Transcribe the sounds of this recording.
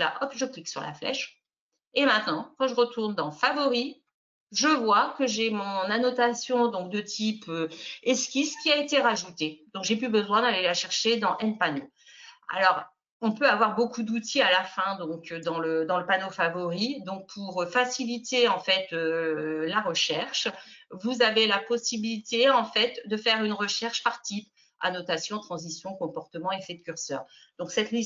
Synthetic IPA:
la̰ʔɔpʒəkliksyʁla̰flɛ̰ʃ | emɛ̃t̪nɑ̃kɑ̃ʒəʁət̪uʁnd̪ɑ̃favɔʁi | ʒəvwakəʒemɔ̃nanɔt̪asjɔ̃d̪ɔ̃kd̪ət̪ʰipøɛskʲiskʲiaet̪eʁaʒut̪ed̪ɔ̃ŋkʒeplybəzwɛ̃d̪alelaʃɛʁʃed̪ɑ̃ʔɛnpano | a̰lɔʁ | ɔ̃pøavwaʁbokud̪ut̪ʰialafɛ̃d̪ɔ̃kd̪ɑ̃ləd̪ɑ̃ləpanofavɔʁid̪ɔ̃k̚pʰuʁøfasilit̪eɑ̃fɛt̪ølaʁəʃɛʁʃvuzavelapɔsibilit̪eɑ̃fɛt̪d̪əfɛʁynʁəʃɛʁʃpaʁt̪ip | a̰nɔt̪asjɔ̃t̪χɑ̃zisjɔ̃kɔ̃pɔʁt̪əmɑ̃efɛd̪əkʲyʁsœ̰ːʁ | d̪ɔ̃ksɛt̪li

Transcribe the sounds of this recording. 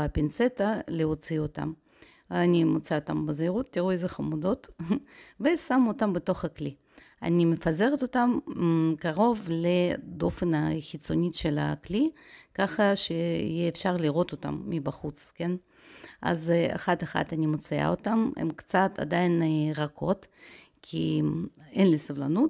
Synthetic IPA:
apint͡set̪aleot͡siot̪a̰m | animot͡saot̪ambeziʁut̪ːiʁuejzeχamud̪o̞t̪ | vesamot̪ambet̪o̞χakli | a̰nimefaze̞ʁet̪o̞t̪amkaʁo̞vled̪o̞fenaxit͡sonʲiʃela̰klikaχɐʃeḭjɛːfʃaʁliʁo̞t̪ot̪a̰mːibaχut͡sken | ʔa̰za̰χat̪eχa̰t̪anʲimot͡sia̰ot̪amḛmkt͡sat̪ʰa̰d̪ajinʁakʰo̞t̪ | kʰi | enlisovlanut̪

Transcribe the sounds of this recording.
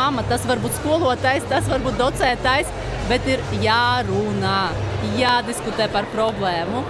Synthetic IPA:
amɐt̪asvaɾbuːt̪ʲskuɔlˠuɔt̪ajst̪asʋaɾbuːt̪̚d̪ɔt̪sɛːt̪ajs | bʲet̪iɾjaːɾunajaːd̪iskut̪ɛːpaɾpɾɔblˠɛːmu

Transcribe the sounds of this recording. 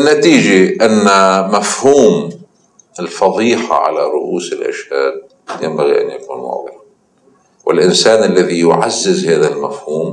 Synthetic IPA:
nːat̪iːd͡ʒaʔanːamafhuːm | ɪlfɑðˤiːħa̰ʕa̰laɾˤʊʔuːsɪlʔa̰ʃhaːd̪̚ | jɪmbaɣiʔa̰njakuːnmʊ̰ʕðˤɨla | wɪ̰lʔɪnsaːnʔɪlːaðijʊʕazːɪzhaːðalmafhuːm

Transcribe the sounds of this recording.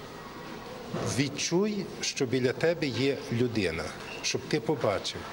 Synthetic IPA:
ʋʲit͡ʃujʃt͡ʃɔbʲilʲɐt̪ɛbɛjɛlʲʊd̪ɪnɐ | ʃt͡ʃɔbt̪ɪpɔbɑt͡ʃɪw

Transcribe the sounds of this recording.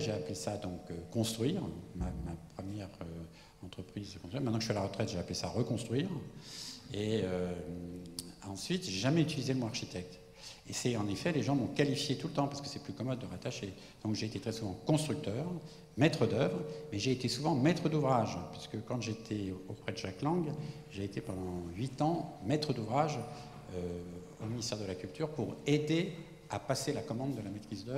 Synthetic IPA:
ʒeaplesad̪ɔ̃køkɔ̃st̪χɥiːʁmamapχəmjɛʁø | ɑ̃t̪χəpχizəkɔ̃st̪yimɛt̪nɑ̃kʒəsɥialaʁət̪χɛt̪ʒeaplesaʁəkɔ̃st̪χɥiːʁ | eø | ɑ̃sɥit̪ʒeʒamɛyt̪ilizelmɔ̃aʁʃit̪ɛk̚t̪ | esɛɑ̃nefɛleʒɑ̃mɔ̃kalifjet̪ulət̪ɑ̃pasə̥kə̥sɛplykɔmɔd̪̚ːəʁat̪aʃe | d̪̥ɔ̃kʒeːt̪et̪χɛsuvɑ̃kɔ̃st̪χyk̚t̪œːʁ | mɛt̪χəd̪œvʁmɛʒeːt̪esuvɑ̃mɛt̪χəd̪uvʁaʒpaʁsə̥kəkɑ̃ʒet̪ʰɛopχɛd̪əʒaklɑ̃ɡ | ʒeːt̪epɑ̃d̪ɑ̃ɥit̪ɑ̃mɛt̪χəd̪uvʁaʒ | ø | ominist̪ɛʁd̪əlakʲylt̪yʁpuʁed̪e | apaselakɔmɑ̃d̪ːəlamet̪χizd̪œʁ

